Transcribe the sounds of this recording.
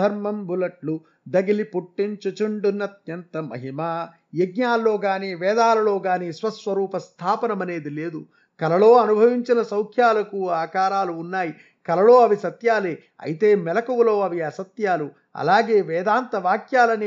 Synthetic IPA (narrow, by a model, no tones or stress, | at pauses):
ɐɾmɐmbʱulɐʈlu | d̪ɐɡilipuʈːint͡ʃɐt͡ʃuɳɖunːɐt̪̚jɐnt̪ɐmɐ̰ɦimaː | jeɡ̚ɲaːlːo̞ːɡaːniːʋɛːd̪aːlɐlo̞ːɡaːniːsʋɐsʋɐɾuːpɐst̪ʰaːpɐnɐmɐne̞ːd̪ile̞ːd̪u | kɐlɐlo̞ːɐnubʱɐʋiɲt͡ʃinɐsɐwkʰjaːlɐkuaːkaːɾaːluːnːaːji | kɐlɐlo̞ːɐʋisɐt̪jaːleː | ɐ̰jit̪e̞ːmɛlɐkɐwulo̞ːɐʋiɐsɐt̪jaːlu | ɐ̰laːɡe̞ːʋɛːd̪aːnt̪ɐʋaːkjaːlɐnː